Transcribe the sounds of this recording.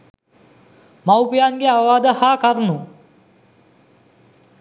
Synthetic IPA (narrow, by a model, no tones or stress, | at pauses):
mawpijaːnɡeaʋʋaːd̪əhaːkaɾnu